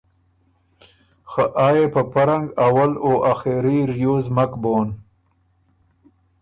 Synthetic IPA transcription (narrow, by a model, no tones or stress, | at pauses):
xaʔaːjepəpaɾaŋɡawaloʔaxeɾiɾjoːzmakboːn